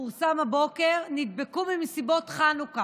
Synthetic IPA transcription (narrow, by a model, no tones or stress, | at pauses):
uʁsamabo̞ke̞ʁnid̪̚bekumimesibo̞tχanuka